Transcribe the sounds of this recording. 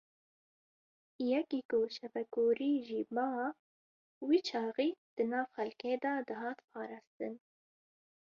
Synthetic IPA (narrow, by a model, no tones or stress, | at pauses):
jɛkikʊʃɛfɛkuːɾiːʒiːbɑː | wiːt͡ʃʰɑːɣiːd̪̥ɨnɑːvxɛlkeːd̪ɑːd̪ɨɦɑːt̪pʰɑːɾɑːst̪ɨn